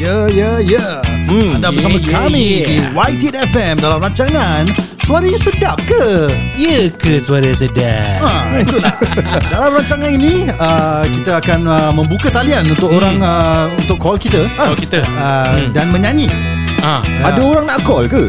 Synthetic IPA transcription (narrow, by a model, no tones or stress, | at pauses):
jəjəjə | andaəamãkamĩdiwajt̪iɛtɛfɛmdalamɾaɲt͡ʃaŋan | suaɾəjasədap̚kəiəkəsuwaɾə̃s̬əda̰at̪uladalamɾaɲt͡ʃaŋãninĩəkit̪aakanəmə̃mbukat̪alianunt̪ʊk̚oɾaŋəunt̪ʊkʰːɔlkit̪əɔlkit̪əədanmə̃ɲãɲi | aadaoɾaŋnakɔlkə